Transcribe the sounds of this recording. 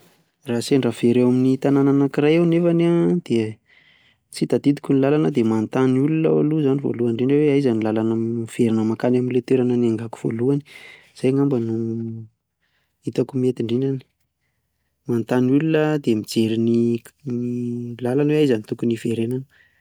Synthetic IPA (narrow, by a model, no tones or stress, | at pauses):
raseɳɖ͡ʐaveɾewaminit̪anananakirajewnefanad̪̥e | t͡sit̪ad̪id̪i̥kunilalanəd̪emant̪anuluna̰a̰luzanivo̰luaɳɖ͡ʐeɳeweaizanilalanav̥eɾinəmakanaminlet̪eɾanənaŋɡaku̥v̥o̰luani̥ | z̥ajŋambənu | it̪akumiet̪iɳɖ͡ʐenani̥ | mant̪anulunəd̪emid͡zeɾininilalanweaizanit̪ukunifeɾenanə